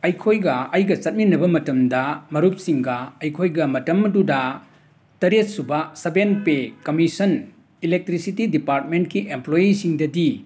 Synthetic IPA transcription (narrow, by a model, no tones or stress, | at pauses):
ɐjkʰojɡɐɐjɡɐt͡ʃɐt̚minɐbɐmɐtɐmdɐmɐɾup̚siŋɡɐɐjkʰojɡɐmɐtɐmːɐdudɐ | tɐɾet̚subɐsɐbenpekɐmisɐn | ilek̚tɾisitidipaɾt̚mentkiʔemplojisiŋdɐdi